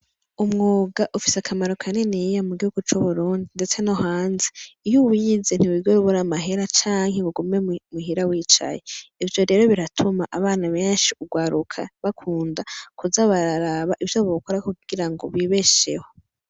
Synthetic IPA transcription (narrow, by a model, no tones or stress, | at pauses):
umŋoːɡaʔufi̥seakʰamaɾokʰane̞nejamuɡihuɡut͡ʃuβuɾuːndinde̞t͡se̞noɦaːnzeijuwiːzen̥iwiɡoɾuβoɾamaɦe̞ɾat͡ʃaːŋɦeɡuɡumemuɦiɾawiːt͡ʃa̰je̞ivjo̞ɾe̞ːɾo̞βiɾatʰumaʔaβaːnaβeːnʃiuɡwaːɾukʰa̰βakʰuːndakʰuzaβaɾaɾaβaʔivjoβokoɾakuɡ̥iɾaŋɡoβwiβe̞ʃe̞ho